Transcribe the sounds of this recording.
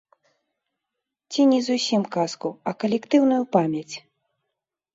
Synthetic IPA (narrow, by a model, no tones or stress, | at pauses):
t͡sʲinʲizusʲimkaskuɐkɐlʲɛkt̪ɨwnujupamʲjɐt͡sʲ